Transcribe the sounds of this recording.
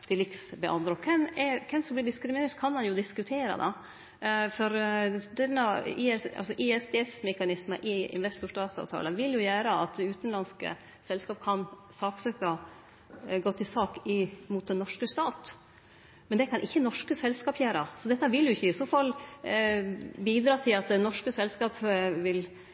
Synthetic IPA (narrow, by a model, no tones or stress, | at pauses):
t̪ʰɪlɪksbɛʔɑ̰nd̪ɾɔkʰɛnɛkʰɛmsɔmblɪɖɪskɾɪmɪneːɾʈt̪kʰɑnmɑnjʊd̪ɪskʉt̪ʰeːɾɑ̰d̪ɑ̰ | fɔɾd̪ɛnːɑɪɛsɑ̰lsɔʔɪɛsd̪eːsmɛkɑnɪsməʔɪɪ̰nʋɛst̪ʊʂʈɑːt̪sɑ̰ːʋt̪ʰɑ̰ːləʋɪljʊjæːɾəɑt̪̚d̪ɛʉːt̪nlɑnskə̰ | sɛlskɑːp̚kʰɑn | sɑːksœkɑ | ɡoːt̪ʰːɪsɑːkɪmʊt̪̚d̪ɛnːɔʂkəst̪ɑːt̪ | mɛnd̪ɛkʰɑnʔɪçːənɔʂkəsɛlskɑːpjæːɾɑsɔd̪ɛt̪ːəʋɪljʊɪçːəɪsoːfɑl | biːd̪ɾɑːt̪ʰɪlɑt̪̚d̪ɛnːɔʂkəsɛlskɑːpʋɪl